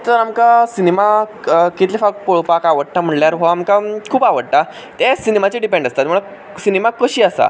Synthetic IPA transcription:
t̪əɾamkasinemakit̪lifak̪̚poɭpakaʋəɽ̚ʈ̪am̤əɽljaɾɦɔamkakʰuːpaʋəɽ̚ʈ̪a | t̪ɛsinemat͡ɕiɖipẽɳɖəst̪at̪məɭa | sinemakəɕiːasa̰

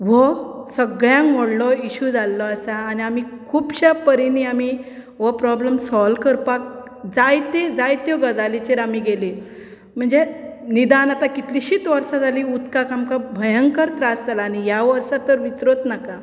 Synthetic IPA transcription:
ʋɔsəɡɭjãmoɽlɔiɕud͡zalːɔəsaːñiamikʰuːbɕapəɾiniami | ʋɔpɾɔbləmsɔlkəɾpak̚ | d͡zajt̪ed͡zajt̪jɔɡəd͡zalit͡ɕeɾamiɡeli | m̤əɳd͡zenid̪anat̪akit̪liɕiːt̪ʋəɾsad͡zʱaliːut̪kakamkabʱəjəŋkəɾt̪ɾasd͡zalaːñijaʋəɾsat̪əɾʋit͡sɾot̪naka

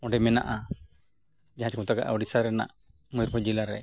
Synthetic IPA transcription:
ɔ̃ɖɛmɛna̰ʔa | d͡ʒaɦãt͡ʃkɔt̪aɡa̰ʔa̰ɔɖisaɾɛna̰ʔ | mujɾpɔd͡ʒilaɾɛ̰

